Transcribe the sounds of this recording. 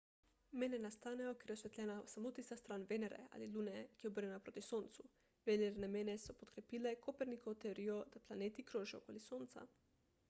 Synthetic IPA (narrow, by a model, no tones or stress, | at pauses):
menenast̪aneokeɾosʋet̪lʲenaosamot̪isast̪ɾaːnʋeneɾḛa̰liluːnekeobrɲenapɾot̪isoːnt̪su | ʋeneɾnemenesopot̪kɾepilekopeɾnikot̪eɾiod̪̥aplˠaneːt̪ikɾoʒio̰kolisoːnt̪sa̰